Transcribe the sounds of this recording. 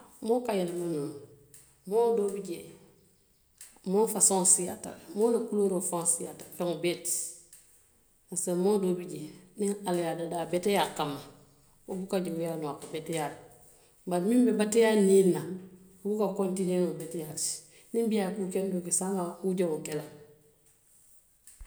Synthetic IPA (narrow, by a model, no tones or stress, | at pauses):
mokajalmanon | moːdoːbiɟe | moːfasõnsija̰ta̰lmoːnakuloɾofõsijatafeŋobet | asamoːdoːbiɟeniŋaljadadabetejakamːa | obukaɟewujaːnuwakabetejal | baɾmimbebatejanilna | bukakontinenobetejasi̥ | nimbijakukendokesamauɟeŋukela